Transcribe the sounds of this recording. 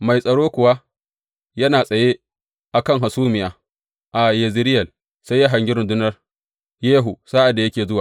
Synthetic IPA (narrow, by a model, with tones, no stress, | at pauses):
ma˨jsʼɐ˨ɽoː˦kʷʊ˨wa˦ | jɐ˦naː˨sʼɐ˨je˦ | ʔa˨kɐ˦ŋɦa˨suː˦mɪ˨jaː˨ | ʔa˨je˨zɪ˦ɾɪ˦jɐ˨l | sa˦jːa˦ɦa˨ŋɡʲɪ˦ɾʊ˨ndʊ˦nɐ˦r | jeː˦ɦu˨saː˦ʔa˨dːa˨jɐ˦kʲeː˨zʊ˦waː˨